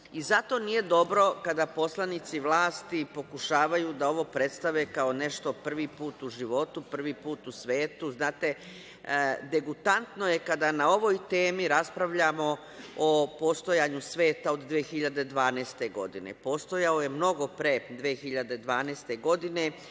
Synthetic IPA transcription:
izat̪o̞nije̞d̪o̞bɾo̞kad̪apo̞slˠanit̪siʋlˠaːst̪ipo̞kuʃaːʋajuːd̪ao̞ʋo̞pɾe̞t̪st̪aʋeːkao̞ne̞ʃt̪o̞pr̩ʋiːpuːt̪uʒiʋo̞t̪upr̩ʋipuːt̪usʋeːt̪uznaːt̪e̞ | d̪e̞ɡut̪ant̪noje̞kad̪anao̞ʋo̞jt̪e̞ːmiɾaspɾaʋʎamo̞ | opo̞st̪o̞jaːɲusʋe̞ːt̪ao̞d̪ːʋeexiʎad̪e̞d̪ʋaːneːst̪eɡo̞̰d̪inḛpo̞ːst̪o̞jaoje̞mno̞ɡo̞pɾe̞d̪ʋiexiʎad̪e̞d̪ʋaːnest̪e̞ɡo̞d̪ine̞

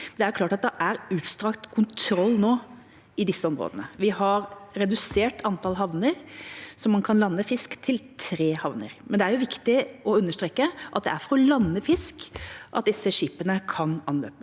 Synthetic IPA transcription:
ɛnd̪ɛæɾjʊk̪ʰɑːʈɑt̪̚d̪ɛʔæɾʉːt̪st̪ɾɑkt̪kʰʊnt̪ʰɾɔlːnoː | ɪd̪ɪsːəɔmɾo̰ːd̪ənəʋɪhɑɾɾɛd̪ʉseːʈʰɑnt̪ʰɑlɦɑʋnəɾsɔmːɑnkʰɑnlɑnːəfɪskt̪ʰɪlt̪ʰɾeːhɑʋnə̰ɾmɛnd̪ɛæɾjʊʋɪkt̪ɪʔɔʉnːəʂʈɾeːkːəʔɑt̪̚d̪ɛ̰æɾfɔɾɔlɑnːəfɪskʔɑt̪̚d̪ɪsːəʂiːpənəkʰɑnɑnlø̰ːpə

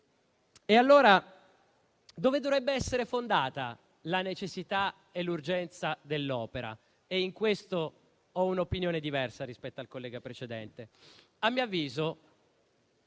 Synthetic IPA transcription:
ealːoːɾa | d̪oːved̪ovɾɛbːeɛsːeɾefond̪aːt̪a | lanet͡ʃesːit̪a | elːurd͡ʒɛnt̪sad̪elːɔːpeɾa̰ | eiŋkwest̪o | ɔunopinjoːned̪ivɛrsaɾispɛt̪ːoalkolːɛːɡapɾet͡ʃed̪ɛ̰nt̪e | amːiːavːiːzo

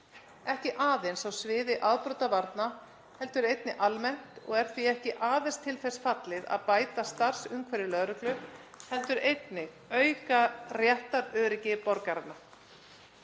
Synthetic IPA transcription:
ɛhcɪʔaːðensawsvɪːðɪʔaðpɾɔwt̪avaɾt̪na | hɛlt̪ʏɾejt̪nɪʔalmɛn̥t̪ɔɣɛɾ̥θviɛhcɪʔaːðenst̪ʰɪlθɛsfat̪lɪða̰ðpaːjt̪ast̪ar̥sʏmkʰvɛɾɪlœːɾʏklʏhɛlt̪ʏɾejt̪nɪɣ | œɥkarjɛht̪aɾœːɾɪcɪpɔɾkaɾannːa

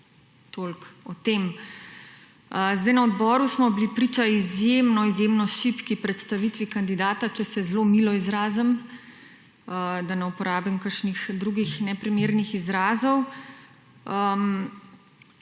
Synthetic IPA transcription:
t̪olkɔt̪em | zd̪ajnaɔd̪bɔːɾusmɔblipɾit͡ʃaizjemnɔizjemnɔʃipkipɾɛt̪st̪aʋit̪ʋikand̪id̪aːt̪at͡ʃɛsɛzlomilɔizɾaːzəm | d̪anɛupɔɾaːbimkəɾʃnixd̪ɾuɡixnɛpɾimeːɾnixizɾaːzɔw | əm

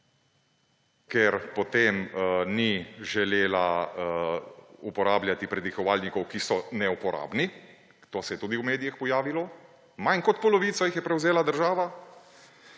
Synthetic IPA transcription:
kɛɾpɔt̪emniʒɛleːla | upɔɾaːbljat̪ipɾɛd̪ixɔʋaːlnikɔwkisɔnɛupɔɾʔa̰ːbni | t̪osɛjɛt̪uːd̪iwmeːd̪ijɛxpɔjaːʋilɔ | majnkɔt̪̚pɔlɔʋiːt̪sɔjixjɛpɾɛwzeːlad̪əɾʒaːʋa

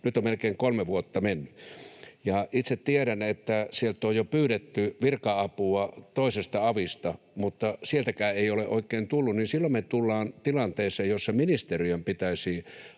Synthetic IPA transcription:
nyt̪ommelkeːŋkolmeʋuot̪ːɑmenːyjɑʔit̪set̪t̪ieɾænet̪ːæsielt̪ojjopyːɾet̪ːyʋirkɑɑpuɑt̪oisest̪ɑɑʋist̪ɑ | mut̪ːɑsielt̪ækæːeioleʔoikːˑeːnt̪ulːunninsilːommet̪ulːɑːnt̪ilɑnt̪eːsˑeːjjosːɑminist̪eriømpit̪æisi

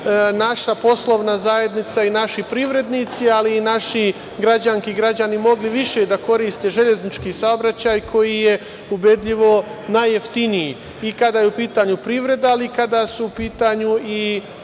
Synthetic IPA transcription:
naʃapo̞slˠo̞ʋnazaje̞d̪nit̪sainaʃipɾiːʋɾe̞d̪niːt̪sialiːnaʃi | ɡɾad͡ʑaŋkiɡɾad͡ʑanimo̞ɡliʋiʃe̞d̪ako̞ɾiːst̪e̞ʒe̞ʎe̞znit͡ʃkisaobɾat͡ɕajkʰo̞jije̞ | ube̞d̪ʎiʋo̞naje̞ft̪iniji | ikad̪aːjeupiːt̪aːɲupɾiːʋɾe̞d̪aalikad̪asuupiːt̪aɲui

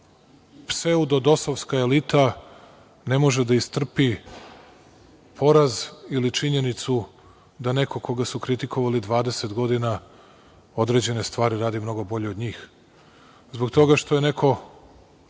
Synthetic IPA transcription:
pseud̪o̞d̪o̞soʋskaelit̪ʰa | ne̞mo̞ʒed̪aist̪r̩pi | pʰo̞ɾazilit͡ʃiɲe̞nit̪su | d̪ane̞ko̞ko̞ɡasukɾit̪iko̞ʋalid̪ʋaːd̪e̞se̞t̪ɡo̞d̪ina | o̞d̪ɾe̞d͡ʑe̞ne̞st̪ʋaːɾiɾaːd̪imno̞ɡo̞bo̞ʎe̞od̪ɲiːx | zbo̞ɡt̪o̞ɡaʃt̪o̞je̞ne̞kʰo̞

